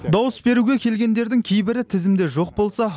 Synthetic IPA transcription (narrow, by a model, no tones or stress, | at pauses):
d̪ɑwəsbe̞ɾuɡʲe̞kʲʰe̞lɡʲe̞nd̪e̞ɾd̪ɪŋkʲʰejbɪɾɪt̪ʰɪzɪmd̪e̞ʒo̞q̚bo̞lˠsɑ